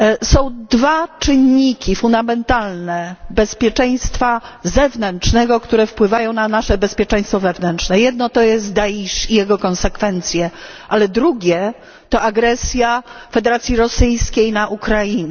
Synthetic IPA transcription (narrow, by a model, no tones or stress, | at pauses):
sɔ̃w̃d̪vat͡ʂɘɲːikʲifund̪amɛnt̪alnɛbɛspʲjɛt͡ʂɛj̃st̪fazɛvnɛnt͡ʂnɛɡɔkt̪uɾɛfpwɘvajɔ̃w̃nanaʂɛbɛspʲjɛt͡ʂɛ̃j̃st̪fɔvɛvnɛnt͡ʂnɛjɛd̪nɔt̪ɔjɛst̪d̪aiʂijɛɡɔkɔnsɛkfɛnt̪sʲjɛ | ʔalɛd̪ɾuɡʲɛ | t̪ɔaɡɾɛsʲjafɛd̪ɛɾat̪sʲjiɾɔsɘjskʲejnaʔukɾajinɛ